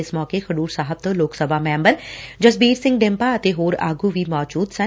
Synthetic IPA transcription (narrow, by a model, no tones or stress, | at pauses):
ɪsmɔːkeːkʰəɖuːɾsaːɦəb̚t̪õːloːksəbʱaːmɛ̃ːmbəɾd͡ʒəsbiːɾsɪ̃ŋɡɖɪ̃mpaːət̪eːɦoːɾa̰ːɡũːʋiːmɔːd͡ʒuːd̪sə̃